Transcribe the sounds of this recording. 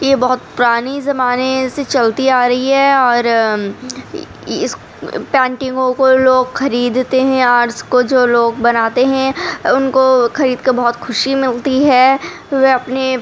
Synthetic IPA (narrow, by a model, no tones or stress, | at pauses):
jebɐɦʊt̪̚pʊɾaːnizɐmaːneset͡ʃɐlt̪iaːɾɐɦiɦɛːɔːɾ | ɪs | pɛ̃ːɳʈɪ̃ŋɡõkoloːɡxɐɾiːd̪t̪eɦɛ̃aːɾskod͡ʒoːloːɡbɐnaːt̪eɦɛ̃ʊnkoxɐɾiːd̪keɾbɐɦʊt̪xʊʃimɪlt̪iɦɛ | ʋeɐpne